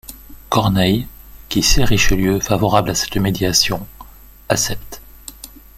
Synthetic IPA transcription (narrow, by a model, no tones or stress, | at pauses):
kɔʁnɛj | kʲiseʁiʃəljøfavɔʁablasɛ̥t̪med̪jasjɔ̃ | asɛpt̪